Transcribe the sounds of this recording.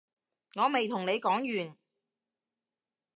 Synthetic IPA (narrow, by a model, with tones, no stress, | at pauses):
ŋɔː˨˧me˨jt̪ʰʊ˨˩ŋne˨˧jkɔː˨˥ŋjyː˨˩n